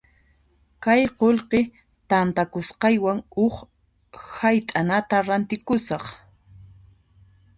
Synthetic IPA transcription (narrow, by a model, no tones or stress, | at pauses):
kajqolqe | t̪ant̪akʊsqɑjwaŋʊχ | hajt̪ʼanat̪aɾant̪ɪkʊsɑχ